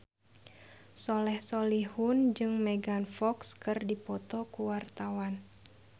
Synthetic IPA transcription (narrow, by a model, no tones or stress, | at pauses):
sɔlɛhsolihund͡ʒɨŋmɛɡanfɔkskɨrdipɔt̪ɔkuwart̪awan